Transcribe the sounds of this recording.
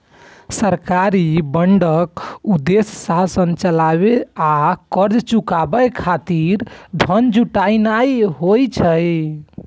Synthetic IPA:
səɾkaɾibəɳɖəkud̪essasənt͡ʃəlaβeakəɾd͡ʒt͡ʃukabəjkʰat̪iɾd̪ʱənd͡ʒuʈainajɦojt͡ʃʰəj

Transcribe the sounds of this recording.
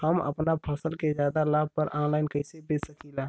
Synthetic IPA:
həmə̰pnapʰasəlkezjaːd̪alaːb̚pəɾʔãːnlaːɪnkəɪsebesəkilaː

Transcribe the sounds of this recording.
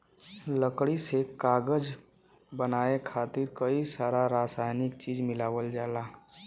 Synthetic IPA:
ləkɽisekaːɡəd͡ʒ | bənaːekʰaːt̪ɪɾkəisaːɾaɾaːsaːjnɪkt͡ʃiːd͡ʒmɪlaːʋəld͡ʒaːlaː

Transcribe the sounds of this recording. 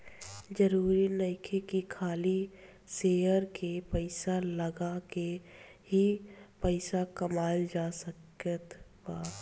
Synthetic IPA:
d͡ʒəɾuːɾinəɪkʰekikʰaːli | seəɾkepəɪsaləɡakeɦipəɪsakəmaːld͡ʒaːsəkət̪paː

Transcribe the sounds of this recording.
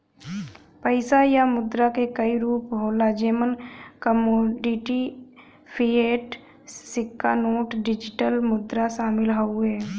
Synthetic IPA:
pəɪsajamʊd̪ɾakekəiɾuːpɦoːlad͡ʒemənkəmoːɖɪʈi | pʰieːʈ | sɪkːanoːʈɖɪd͡ʒɪʈəlmʊd̪ɾaʃaːmɪlɦoʊɛː

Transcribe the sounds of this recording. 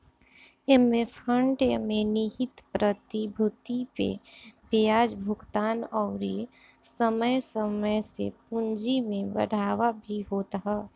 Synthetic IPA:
emːefʰəɳɖmẽnɪɦɪt̪pɾət̪ibʱʊt̪ipḛpejaːd͡ʒbʱʊɡt̪aːnɔːɾisəməjsəməjsḛpʊ̃nd͡ʒimẽbə̰ɽ̤ʱaːʋabʱiɦoːt̪aɦɛː

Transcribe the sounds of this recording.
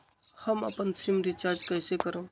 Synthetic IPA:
həmə̰pənsimɾit͡ʃaɾd͡ʒkəɪsekəɾə

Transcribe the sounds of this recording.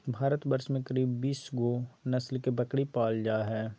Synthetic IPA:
bʱaːɾət̪bɐɾʃmẽkɐɾiːbːiːsɡonɐslkebɐkɽipaːld͡ʒaːɦɛː

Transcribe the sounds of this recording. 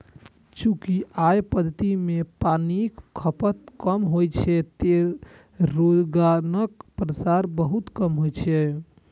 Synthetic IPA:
t͡ʃũkiʔajpəd̪ʱət̪imepanikkʰːəpət̪̚kəmɦojt͡ʃʰɛt̪e | ɾod͡ʒɡanəkpɾəsaɾbəɦut̪kəmɦojt͡ʃʰɛ

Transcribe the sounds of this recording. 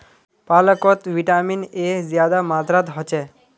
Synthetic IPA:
palɔkɔt̪ʋiʈaminezjad̪amat̪ɾat̪ɦɔt͡ʃe

